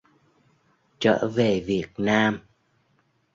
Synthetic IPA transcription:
t͡ɕə̰ː˧˥ve˨˩vi˨˩ət̚naː˧m

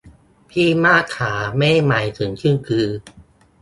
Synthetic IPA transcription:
pʰiː˥˩maː˥˩kʰːaː˩˦mɛː˥˩ma˨˩˦jt̪ʰɯ˩˦ŋt͡ɕʰɯ˥˩nkʰɯː˧

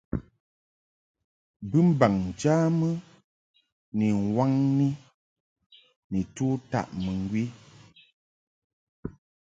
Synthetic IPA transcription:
bɨ˦m̩˦ba˨ŋn̩˨t͡ʃaː˦mə˦ | ni˨ŋ˨wa˦ŋni˦ | ni˨tu˦ta̰˦˨ʔmə˨ŋ˦ɡwi˦

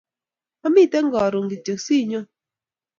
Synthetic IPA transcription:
a˦mi˦˨tɛ˦ŋ̩˦ɡɔ˨ɾo˨ŋɡi˨t͡ʃə˨k̚si˦ɲo˦

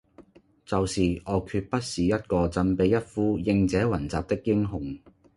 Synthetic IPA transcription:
t͡sɐ˨wsiː˨ʔɔː˨˧kʰyː˧t̚pɐ˥t̚siː˨jɐ˥t̚kɔː˧t͡sɐ˧npe˨˧jːɐ˥t̚fuː˥jɪ˧ŋt͡sɛː˨˥wɐ˨˩nt͡saː˨p̚t̪ɪ˥k̚ːɪ˥ŋɦʊ˨˩ŋ

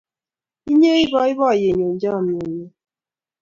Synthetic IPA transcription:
i˦ɲe˦i˦bɔ˦i˦βɔ˦˨je˨ɲo˨d͡ʒa˦˨m̩˨e˨ɲe˨

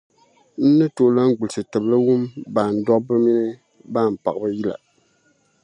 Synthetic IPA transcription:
n̩˦nɨ˦to˨ʔla˦ŋ̩˦ɡ͡bu˨lsɨ˨tɨ˨blɨ˦wu˦mbaː˨n̩˨˦dɔ˦bɨ˦mi˦nɨ˦ | ba˦˨m˨pa˨bɨ˦ji˦la̰˨

